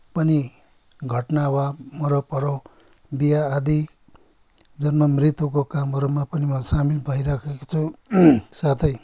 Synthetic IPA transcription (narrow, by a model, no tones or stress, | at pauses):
pʌni | ɡʱʌʈnawamʌɾʌpʌɾo | bijaːd̪i | d͡zʌnmʌmɾit̪wokokamɦʌɾumapʌnimʌsamilbʱʌiɾakʰeko̥t͡sʰu | sat̪ʰʌj